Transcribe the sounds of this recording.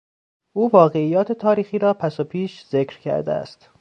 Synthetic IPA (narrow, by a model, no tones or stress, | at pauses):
ʔuːvɒːɣe̞ijːɒːt̪ʰet̪ʰɒːɾiːxiːɾɒːpʰæsopʰiːʃz̥ekɾcʰæ̰ɾd̪ḛæ̰st̪